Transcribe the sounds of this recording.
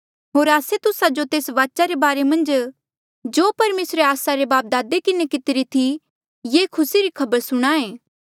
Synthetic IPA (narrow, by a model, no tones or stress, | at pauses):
ɦoːɾaːset̪ʊsad͡ʒot̪eːsʋaːʃaɾebaːɾemɐ̃nd͡ʒ | d͡ʒoːpɐɾmeːsɾeaːsaɾebaːp̚d̪aːd̪ekɪnekɪt̪ɪɾit̪ʰi | jekʰʊsiɾikʰɐbəɾsʊɽ̃aːẽː